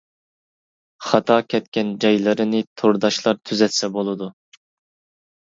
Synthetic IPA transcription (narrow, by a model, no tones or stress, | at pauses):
χɑt̪ʰɑːkʲʰɛt̪kʲɛnd͡ʒɑjlˠɨɾɨnɪt̪ʰoɾd̪ɑʃlˠɑɾt̪ʰyzɛt̪sɛbolˠɨd̪u